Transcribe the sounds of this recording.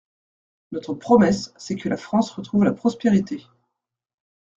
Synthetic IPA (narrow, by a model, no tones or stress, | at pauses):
nɔt̪χəpχɔmɛsːɛkʰəlafχɑ̃sʁət̪χuvlapχɔspeʁit̪e